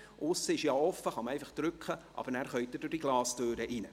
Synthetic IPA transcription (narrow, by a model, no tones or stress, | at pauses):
ʔʊsːəɪʃjɑːɔfəχɑmɛɪfɑχd̥ɾʏkχəʔɑ̰bəɾnæːɾχœʏɥt̚dəd̥ʊd̥iɡ̥lɑːstøːɾəʔinə